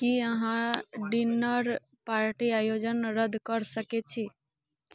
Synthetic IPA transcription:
kiəɦãɖinəɾ | paɾʈiajod͡ʒənɾəd̪ʱkəɾsəket͡ʃʰi

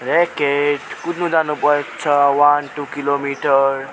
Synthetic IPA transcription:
ɾekeʈkud̪nũd͡zanupʌekt͡sʰʌwanʈukilomiʈəɾ

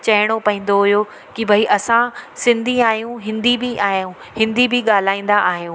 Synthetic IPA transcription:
t͡ɕɐɦɪɽ̃opɐɦĩːnd̪oɦʊjo | kibʱɐiʔɐsãsɪ̃nd̪ʱiaːɦijũɦɪ̃nd̪ibiʔaːɦijũ | hɪ̃nd̪ibiɠaːl̤aːĩːn̆d̪aʔaːɦijũː

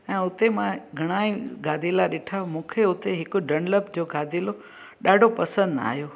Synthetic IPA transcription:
ɛ̃ːʊt̪emãɡʱɐɽ̃aːiɡaːd̪ʱilaɗeːʈʰamũːkʰeʊt̪eɦɪkʊɖəɳləbd͡ʑoɡaːd̪ʱelo | ɗaːɖʱopɐsə̃nd̪a̰ːɦijoː

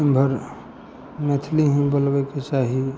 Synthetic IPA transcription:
bʱəɾ | met̪ʰliɦĩbəlbeket͡ʃaɦi

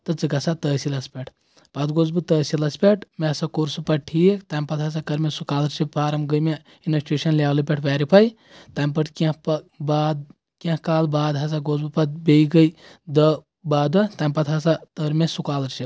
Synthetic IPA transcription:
t̪ɐt͡sɨkɐsat̪əːsilɐspʲeʈʰ | pɐt̪ɡoːzbɨt̪əːsilɐspʲeʈʰmesakuɾsɨpɐʈʰiekt̪amʲpɐt̪ʰɦɐs̬akɐɾmesukaːlɾt͡ʃipaːɾɐmɡəjmʲe | inɐt͡ʃeʃɐnlʲaːwlɨp̬ʲeʈʰʋaːɾipʰaj | t̪ampɐʈkepɐbaːd̪ | kẽhkaːlbaːd̪ɦɐs̬aɡozbɨpɐt̪̚bʲejɡəj | d̪ə | baːd̪ɐt̪amʲpɐt̪ɦɐsat̪əɾmʲesukaːlɨɾt͡ʃʰip

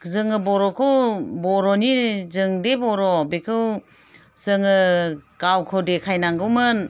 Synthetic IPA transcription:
zɯŋɯbɔɾɔkʰɯwbɔɾɔnizɯŋdebɔɾɔbekʰɯw | z̥ɯŋɯkawkʰɯdekʰajnaŋɡɯwmɯn

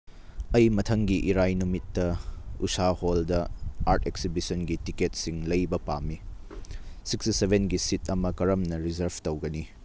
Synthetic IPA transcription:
ɐjmɐtʰɐŋɡiʔiɾajnumitːɐṵsaholdɐaɾtʰeksibisɐnɡitiket̚siŋlɐjbɐpamːi | sikstisebʱenɡisitʰɐmɐkɐɾɐmnɐɾizɐɾbtowɡɐni

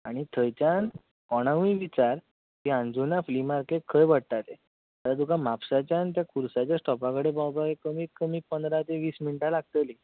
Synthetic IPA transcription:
aɽ̃it̪ʰəjt͡ɕjan | kɔɽ̃aʋĩʋit͡ɕaɾ | t̪iãnd͡zunaflimaɾkekʰːəjbəɽt̪at̪e | əɾad̪ukãmapsat͡ɕjant̪̬jakʰuɾsat͡ɕjasʈɔpakəɽebawpaʋekəmiːkːəmiːpənd̪ɾat̪eʋiːsminʈalaɡ̚t̪əli

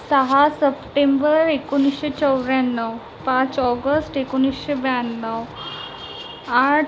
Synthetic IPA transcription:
səɦasəpʈembəɾekonisɕet͡səwɾjanːəʋ | pãt͡sɔɡəsʈekonisɕebjanːəw | aʈ

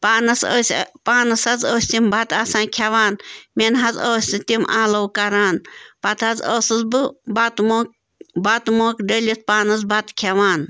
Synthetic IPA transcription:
paːnɐsəsʲpaːnɐsɐzoːsʲt̪imbʱɐt̪aːsãːnkʰʲaʋaːnmenɦɐzoːsʲt̪it̪imʔãːlɐwkɐɾaːnpɐt̪ʰɦɐzoːsɨzbɨbat̪mok | bɐt̪moːkɖəlʲit̪̚paːnɐzbʱɐt̪kʰaʋaːn

